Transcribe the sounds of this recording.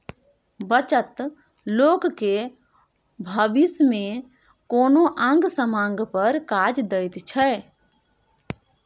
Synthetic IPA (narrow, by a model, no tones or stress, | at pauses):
bət͡ʃət̪ | loːkke | bʱəbisme | koːnoʔãŋɡsəmãŋɡpəɾkad͡ʒd̪əjt̪t͡ʃʰə